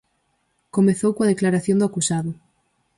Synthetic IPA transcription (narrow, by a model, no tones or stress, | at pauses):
komeθowkwað̞eklaɾaθjond̪uakusaðʊ